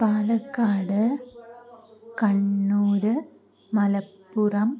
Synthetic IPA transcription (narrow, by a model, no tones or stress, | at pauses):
paːlɐkːaːɽɯ | kɐɳːuːɾɯ | mɐlɐpːʊrɐm